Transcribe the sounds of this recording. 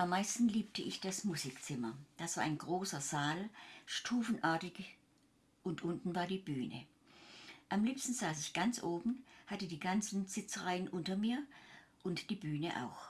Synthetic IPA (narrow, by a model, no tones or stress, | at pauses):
ʔamːaɪstn̩liːp̚tʰəʔɪçd̥asmuzikt͡sɪmɐd̥asv̥aːɐʔa̰ɪnɡʁoːsɐzaːlʃtʰuːfn̩ʔaɐtɪç | ʔʊntʔʊntn̩vaːɐdiːbyːnə̰ | ʔamliːpstn̩zaːsɪçɡ̥ant͡sʔoːbm̩n̩hatədiːɡant͡sn̩z̥ɪt͡sʁaɪənʔʊntɐmiːɐʔʊntd̥iːbyːnə̰ʔa̰ʊx